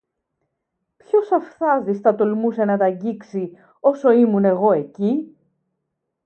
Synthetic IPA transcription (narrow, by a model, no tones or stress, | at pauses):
pçosɐfθɐzist̪ɐt̪olmusenɐt̪ɐɲɟiksi | o̞so̞imune̞ɣo̞e̞ci